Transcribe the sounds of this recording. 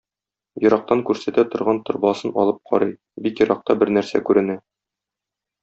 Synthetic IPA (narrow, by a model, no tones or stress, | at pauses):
jŏɾɑq̚t̪ɑŋkʉɾsæt̪æt̪ŏɾʁɑnt̪ŏɾbɑsɤnɒ̰lˠɤp̚qʰɒ̰ɾɤj | bikjŏɾɑq̚t̪ɑbɘɾnæɾsæ̰kʉɾɘ̆næ